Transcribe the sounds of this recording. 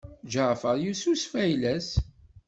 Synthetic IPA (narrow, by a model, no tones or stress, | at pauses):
d͡ʒəʕfəɾˤjususfæjlæs